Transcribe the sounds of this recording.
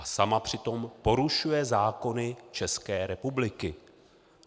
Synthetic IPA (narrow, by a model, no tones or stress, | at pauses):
asamapr̝̥ɪt̪o̞mpo̞ɾuʃujɛzaːko̞nɪt͡ʃɛskɛːɾɛpublɪkɪ